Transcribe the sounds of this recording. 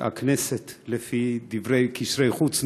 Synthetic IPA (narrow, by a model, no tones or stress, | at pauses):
a̰kneset̪lefid̪ivɾejkiʃɾejχut͡sn